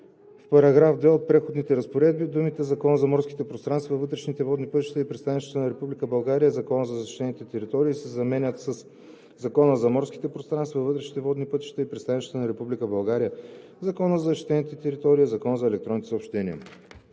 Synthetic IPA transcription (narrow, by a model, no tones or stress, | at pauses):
fpɐɾɐɡɾafd̪vɛot̪̚pɾɛxod̪nit̪ɛɾəspoɾɛd̪̚bid̪umit̪ɛzɐkɔnəzɐmɔɾskʲi̥t̪ɛpɾost̪ɾanst̪vɐvɤt̪ɾɛʃnit̪ɛvɔd̪nipət̪i̥ʃt̪ɐipɾɛt̪st̪anit͡ʃ̪t̪ənɐɾɛpublikəbɐlˠɡaɾijəzɐkɔnəzɐzɐʃi̥t̪ɛnit̪ɛt̪ɛɾit̪ɔɾiːsɛzɐmɛnʲət̪səs | zɐkɔnəzɐmɔɾski̥t̪ɛpɾost̪ɾanst̪vɐvɤt̪ɾɛʃni̥t̪ɛvɔd̪nipɤt̪i̥ʃt̪ɐipɾʲɛtst̪anit͡ʃ̪t̪ənɐɾɛpublikəbɐlˠɡaɾijə | zɐkɔnəzɐzʃi̥t̪ɛnit̪ɛt̪ɛɾit̪ɔɾiizɐkɔnəzɐɛlɛk̚t̪ɾɔnit̪ɛsopʃt̪ɛniə̰